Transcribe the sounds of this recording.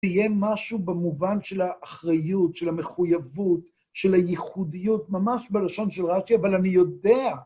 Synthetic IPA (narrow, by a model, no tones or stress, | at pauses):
ijemaʃubemuvanʃe̞laʔːχʁajutʃelame̞χujavut | ʃe̞lajiχudijutmamaʃbelaʃo̞nʃelʁat͡ʃiavalanijo̞dea